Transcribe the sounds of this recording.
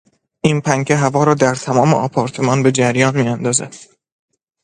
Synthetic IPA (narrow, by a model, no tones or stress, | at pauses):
ʔinpʰæŋcʰeɦævɒːɾɒːd̪æɾt̪ʰæmɒːme̞̰ʔɒːpʰɒːɾt̪ʰe̞mɒːnbe̞d͡ʒæɾjɒːnmiːænd̪ɒːzæ̰d̪̥